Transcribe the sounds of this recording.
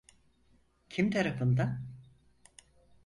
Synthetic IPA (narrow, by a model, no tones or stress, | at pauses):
cʰimt̪ʰaɾafɯnd̪a